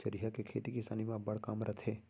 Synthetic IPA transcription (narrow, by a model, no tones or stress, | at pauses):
əɾiɦakekʰeːt̪ikɪsa̰ːnimãbɐɽ̤kaːmɾət̪ʰeː